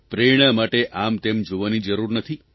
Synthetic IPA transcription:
pɾeɽ̃əmaʈeʔamt̪emd͡ʒoʋanid͡ʒəɾuɾnət̪ʰi

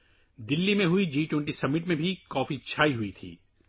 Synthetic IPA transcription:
d̪ɪlːimẽɦʊid͡ʒiːʈõːɳʈisɐmɪʈmẽbʱikɔːfit͡ʃʰaːiɦʊit̪ʰḭː

